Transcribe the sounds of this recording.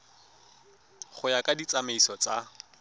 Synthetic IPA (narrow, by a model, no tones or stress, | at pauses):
χʊjakʼadit͡sameisɔt͡sa